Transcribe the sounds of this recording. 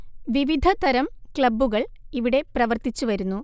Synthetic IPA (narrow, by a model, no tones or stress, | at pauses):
ʋiʋid̪ʱɐt̪ɐɾɐmkɭɐbːuɣɐɭiʋiɽe̞prɐʋɐrt̪it͡ɕːuʋɐɾunːu